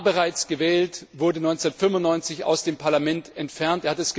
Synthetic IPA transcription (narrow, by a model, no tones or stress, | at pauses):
bəʁaɪt͡sɡ̥əvɛːltvʊɐdənɔʏnt͡sɛnɐtfʏmvʊntnɔʏnt͡sɪça̰ʊsd̥eːmpʰaɐlamɛntɛntfɛɐntʔeːɐhatɛsɡ̥ə